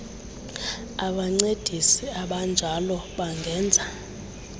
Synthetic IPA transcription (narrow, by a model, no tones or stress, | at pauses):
aɓaŋ͡ǀed̥ʱisiaɓand͡ʒʱalɔɓaŋɡʱɛːnd͡zʱa